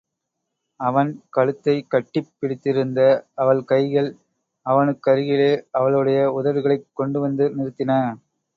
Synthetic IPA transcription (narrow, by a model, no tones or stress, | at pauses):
ɐʋɐnkɐɭɯt̪ːɐɪkːɐʈːɪpːɪɽɪt̪ːɪɾɯnd̪ɐɐʋɐɭkɐɪɣɐɭ | ɐʋɐnɯkːɐɾɯɣɪleːɐʋɐɭɯɽɐjɐʊðɐʋɯɣɐɭɐɪkːɔɳɖɯʋɐnd̪ɯnɪɾɯt̪ːɪnɐ